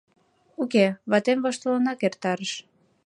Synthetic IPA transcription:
ukeβɑt̪emvoʃt̪olənɑkert̪ɑɾəʃ

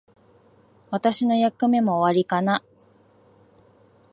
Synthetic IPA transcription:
βat̪aɕino̞jakːɯ̟me̞mo̞ːβaɾʲikana

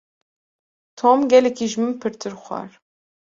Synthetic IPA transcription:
t̪ʰomɡɛlɛkʰiʒmɨmpʰɨɾt̪ʰɨɾxʷɑ̰ɾ

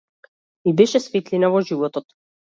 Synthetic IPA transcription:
ibɛʃɛsfit̪linavɔʒivɔt̪ɔt̪

